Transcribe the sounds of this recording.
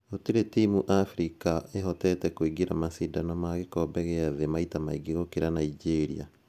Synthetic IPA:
otiɾetimuʔafɾikaeɦɔtɛtɛkoiɡiɾamasidanɔmaɣekɔːbɛɣeaðemaitamaiɡiɣokeɾanaid͡ʒeɾḭa̰

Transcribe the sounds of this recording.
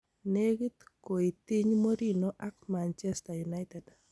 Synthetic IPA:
neɡit̪koit̪iɲmoɾinoʔakmant͡ʃɛstajunajted

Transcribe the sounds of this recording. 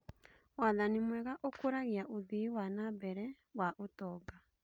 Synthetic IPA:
waðanimwɛɣaʔokoɾaɣiaʔoðiwanabɛɾɛ | waʔotɔːɡa

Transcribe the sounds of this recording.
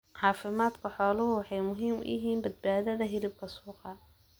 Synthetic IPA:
ʕɑːfɪmaːd̪kʰɐħɔːlʊɦʊwħɑjmʊɦiːm̰ɪ̰ɦiːnbɐd̪̚baːðɐðɐɦɪlɪb̚kʰɐsuːqɑ

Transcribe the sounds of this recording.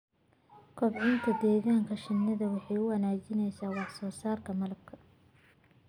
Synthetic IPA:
kʰɔbʕɪnt̪ʰɐd̪ɛːɣaːŋkʰɐʃɪnːɐðɐwɑħɑjʊwɐnaːt͡ʃɪnɛjsaːwɑħsɔːsaːrkʰɐmɐlɐb̚kʰɐ

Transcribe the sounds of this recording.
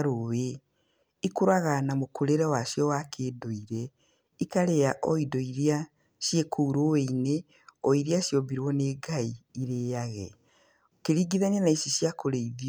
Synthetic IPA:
ɾowe | ikuɾaɣanamokoɾeɾɛwaʃjɔwakʰeːdoiɾɛ | ikaɾejaʔɔidɔiɾia | ʃjekʰouɾoweine | ɔiɾiaʃjɔβiɾwɔneːɡaiːɾeːjaɣɛ̰ | keɾiːɡiðananaisiʃjakoɾeiði

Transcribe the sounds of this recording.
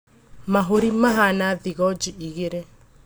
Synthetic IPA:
maɦoɾimaɦanaðiɣɔd͡ʒiiɣeɾe

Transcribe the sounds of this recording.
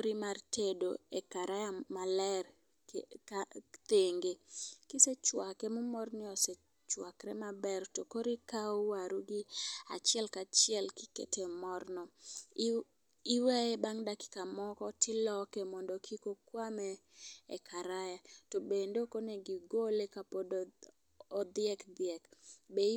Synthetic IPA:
koɾimartʰedo̰ekaɾajamalɛr | at̪eŋɡekiset͡ʃwakɛmʊmɔrnɪɔse | t͡ʃwakɾɛ̰mabɛrtokoɾikaowaɾuɡɪa̰t͡ʃɪɛlkat͡ʃɪɛlkɪ̥kḛtʰemɔrnɔ | iwɛɛbaŋdakɪ̥kamɔkɔtɪlɔkɛmɔndokʰikokwamɛ̰ːkʰaɾajatobendokoneɡiɡolekapodː | d̪ɪɛkd̪ɪɛkbe

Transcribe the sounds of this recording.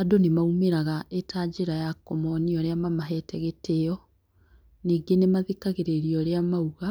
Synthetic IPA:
adonemaumeɾaɣaʔetʰaːɟeɾajakɔmɔniɔɾeamamaɦɛtʰɛɣetʰejɔ | niːɡenemaðekaɣeɾeɾiɔɾeamauɣa

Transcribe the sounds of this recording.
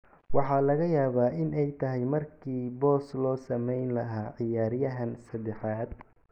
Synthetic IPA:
wɑħɑːlɐɣɐjaːβaːʔɪnʔɛjt̪ʰɐɦɛjmɐrkʰiːbɔːslɔːsɐmɛjnlɐɦaːʕɪjaːɾjɐɦɐnsɐd̪ɛħɑːd̪̚

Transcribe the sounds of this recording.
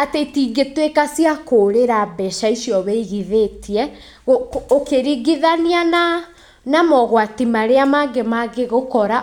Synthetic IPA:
atetiɡetwekasiakoɾeɾabɛʃaisijɔβeiɣiðetʰiɛ | ɣookeɾiɡiðaniana | namɔɣwatimaɾeamaɡemaɡeɣokɔɾa

